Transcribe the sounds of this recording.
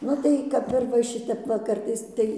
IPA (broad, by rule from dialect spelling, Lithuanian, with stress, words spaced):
ˈnʊ tɐɪ ˈkɐp ɪr ʋɐ ˈʃʲɪtʲɛp ˈʋɐ ˈkɐrtɐɪs ˈtɐɪ